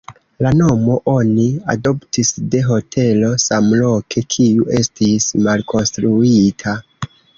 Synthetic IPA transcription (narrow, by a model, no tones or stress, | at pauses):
lano̞mo̞ʔo̞nia̰do̞ptisde̞ɦo̞tʰe̞lo̞samlo̞kʰe̞kʰiuʔe̞stismalkʰo̞nstɾuitʰa